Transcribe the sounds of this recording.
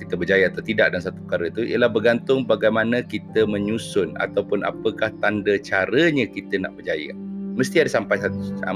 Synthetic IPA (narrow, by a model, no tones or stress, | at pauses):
kit̪əbəd͡ʒajəat̪awt̪idaʔ̚dansat̪u̥pə̥kaɾəit̪uḭəlahbərɡant̪ʊŋbaɡajmanakit̪əmə̃ɲusʊna̰t̪awpʊna̰pəkaht̪andət͡ʃaɾəɲəkit̪əna̰ʔbərd͡ʒajə̰məst̪iadasampajaa̰